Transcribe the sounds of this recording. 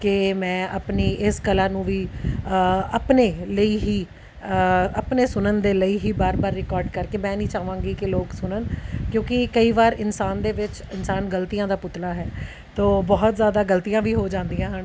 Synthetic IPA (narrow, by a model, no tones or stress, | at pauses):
kɪmɛ̃ːʔəpniːʔɪskəlãːnũːʋiː | əpneːləiːɦiː | əpneːsʊnənd̪eːləiːɦiːbaːɾbaːɾːɪkɔːɾɖkəɾkeːmɛ̃ːnĩːt͡ʃaːʋãːŋɡiːkɪloːksʊnənkjõːkɪkəiːʋaːɾɪnsaːnd̪eːʋɪt͡ʃ | ɪnsaːnɡəlt̪ijãːd̪aːpʊt̪laːɦɛː | t̪oːbɔːʊt̪zjaːd̪aːɡəlt̪ijãːʋiːɦoːd͡ʒãːnd̪ijãːɦəɳ